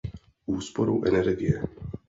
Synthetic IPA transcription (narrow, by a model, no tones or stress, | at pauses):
ʔuːspoɾuwʔɛnɛɾɡɪjɛ